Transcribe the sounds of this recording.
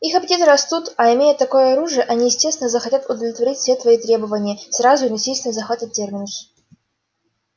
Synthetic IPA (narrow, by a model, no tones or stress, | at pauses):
ixɐpʲtʲet̪ɨɾɐst̪ut̪ɐɪmʲejʊt̪ːɐko̞jəɐɾuʐɨjəʔɐnʲijɪsʲtʲest̪vʲɪnəzəxɐtʲat̪ʊd̪əvlʲɪt̪vɐɾʲitʲfʲsʲet̪vɐit̪ɾʲe̞bəvənʲɪjəsrazʊnɐsʲisʲt̪ʲɪnzɐxat̪ɐtʲːermʲɪnəxʲ